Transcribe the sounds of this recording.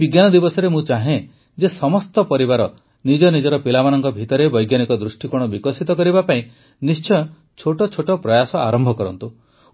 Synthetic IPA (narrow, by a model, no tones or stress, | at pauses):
biɡjanɔd̪ibɔsɔɾemũt͡ʃaɦẽ | d͡ʒesɔmɔst̪ɔpɔɾibaɾɔ | nid͡ʒɔnid͡ʒɔɾɔpilamanɔŋkɔbʱit̪ɔɾebɔjɡjanikɔd̪ɾusʈikuɽ̃ɔbikɔsit̪ɔkɔɾibapaĩ | nist͡ʃɔ | t͡ʃʰoʈɔt͡ʃʰoʈɔpɾɔjasɔaɾɔmbʱɔkɔɾɔnt̪u